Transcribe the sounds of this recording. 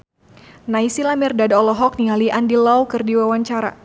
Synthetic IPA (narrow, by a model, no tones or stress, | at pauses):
naisilamirdadɔlɔɦɔk̚nialiʔandilawkɨrdiwawaɲt͡ʃaɾa̰